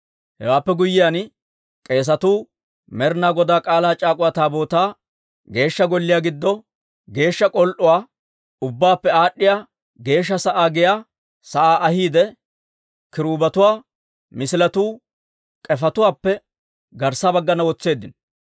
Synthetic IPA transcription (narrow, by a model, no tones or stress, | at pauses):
hɛ̰waːpːɛɡʊjːɪjan | kʼe̞ːs̬ɐt̪uː | mɛɾnaːɡɔd̪aːkʼaːlaːt͡ʃʼaːkʼʊwat̪aːbo̞ːt̪aː | ɡe̞ːʃːɐɡɔlːɪjaːɡɪd̪ːɔ | ɡe̞ːʃːɐkʼɔlʔʊwaː | ʊbːaːpːɛaːɗːɪjaː | ɡe̞ːʃ̬ːɐsɐʔaːɡɪjaː | sɐʔaːʔɐhiːd̪ɛ | kɪɾuːbɐt̪ʊwaː | mɪsɪlɐt̪uː | kʼɛfɐt̪ʊwaːpːɛ | ɡɐɾsabɐɡːɐnɐwɔt͡sːe̞ːd̪ːɪn